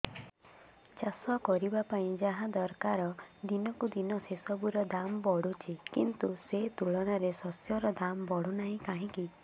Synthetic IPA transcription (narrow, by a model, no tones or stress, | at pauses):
t͡ʃasɔkɔɾibapaĩd͡ʒaɦãd̪ɔɾkaɾɔd̪inɔkud̪inɔsesɔbuɾɔd̪ambɔɽ̤ut͡ʃʰikint̪uset̪uɭɔɽ̃aɾesɔsjɔɾɔd̪ambɔɽunaɦĩkaɦĩki